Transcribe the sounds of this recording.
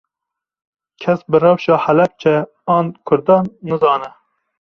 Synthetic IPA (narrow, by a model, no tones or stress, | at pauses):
kʰɛsbɨrɑwʃɑːħælɛp̚t͡ʃʰɛ | ɑːnkʰʊɾd̪ɑːnːɨzɑːnɛ